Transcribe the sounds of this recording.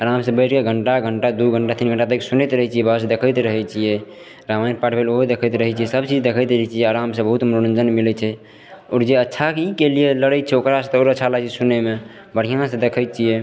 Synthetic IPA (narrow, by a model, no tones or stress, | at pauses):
əɾamsẽbəɪʈkeɡʱəɳʈaɡʱəɳʈad̪uɡʱəɳʈat̪inɡʱəɳʈat̪əkesunəjt̪ɾəɦɛt͡ʃʰijɛbəɦs̬ed̪ekʰəjt̪ɾəɦɛt͡ʃʰijɛ | ɾamanpaʈʰbʱeloɦod̪ekʰəjt̪ɾəɦɛt͡ʃʰijɛsəb̚t͡ʃid͡ʒd̪ekʰəjt̪ɾət͡ʃʰijɛaɾamsẽbəɦut̪mɾonə̃nd͡ʒənmilɛt͡ʃʰɛ | ɔːɾd͡ʒeətːʃʰakeikelijeləɽət̪̚t͡ʃʰɛokɾasẽt̪oɾət͡ʃʰalat͡ʃisuneme | bəɽ̤ijãsẽd̪ekʰəjt̪̚t͡ʃʰije